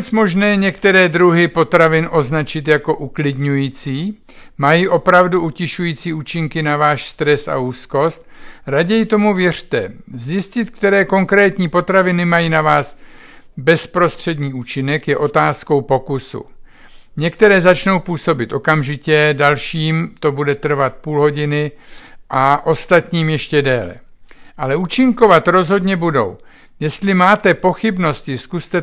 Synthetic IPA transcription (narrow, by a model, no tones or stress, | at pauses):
t͡smo̞ʒnɛːɲɛk̚t̪ɛɾɛːd̪ɾuɦɪpo̞t̪ɾavɪnʔo̞znat͡ʃɪt̪jako̞ʔuklɪdɲujiːt͡siː | majiʔo̞pɾavduʔucɪʃujiːt͡siːuːt͡ʃɪŋkɪnavaːʃst̪ɾɛsa̰uːsko̞st̪̚ɾaɟɛjɪt̪o̞muvjɛr̝̥t̪ɛzjɪscɪt̪k̚t̪ɛɾɛːko̞ŋkɾɛːt̪ɲiːpo̞t̪ɾavɪnɪmajiːnavaːs | bɛspɾo̞st̪r̝̥ɛdɲiːʔuːt͡ʃɪnɛkjɛʔo̞t̪aːsko̞wpo̞kusṵ | ɲɛkt̪ɛɾɛːzat͡ʃno̞wpuːso̞bɪt̪ʔo̞kamʒɪcɛdalʃiːmt̪o̞budɛt̪r̩vat̪̚puːlɦo̞ɟɪnɪʔaʔo̞st̪at̪ɲiːmjɛʃcɛdɛːlɛ̰ | ʔalɛʔuːt͡ʃɪŋko̞vat̪ɾo̞zɦo̞dɲɛbudo̞̰w | jɛst̪lɪmaːt̪ɛpo̞xɪbno̞scɪskust̪ɛ